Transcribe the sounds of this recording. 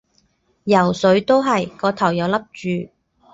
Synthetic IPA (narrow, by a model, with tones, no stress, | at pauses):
jɐ˨˩wsɵ˨˥ɥt̪o˥wɦɐ˨jkɔː˧t̪ʰɐ˨˩wjɐ˨˧wlɐ˥p̚t͡ʃyː˨˧